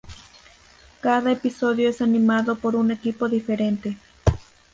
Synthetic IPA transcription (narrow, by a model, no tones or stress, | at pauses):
kaðaepisoðjoesanimaðopoɾunekipoðifeɾent̪e